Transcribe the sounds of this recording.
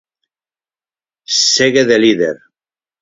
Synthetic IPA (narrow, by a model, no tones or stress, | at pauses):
seɣeðeliðeɾ